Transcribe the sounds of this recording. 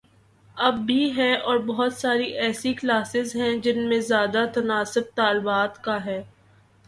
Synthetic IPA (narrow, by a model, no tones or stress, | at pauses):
ɐbːiɦɛʔɔːɾbɐɦʊt̪saːɾiʔɛːsiklaːsɪzɦɛ̃d͡ʒɪnmẽzjaːd̪at̪ɐnaːsʊb̚t̪aːlbaːt̪kaɦɛː